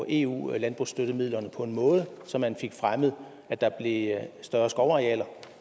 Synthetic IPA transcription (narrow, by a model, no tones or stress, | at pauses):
ʔe̝̰ːṵːlænb̥ʁusd̥øɾ̥əmið̰ˠlɐnəpʰɒ̽e̝nmɔ̽ːð̞ˠəsɒ̽mːænfe̝ɡ̥fʁaməð̩ˠ | æd̥ɑ̈b̥le̝sd̥ɶːɐsɡ̥ɒʊɑ̈iɛ̰ːlɐ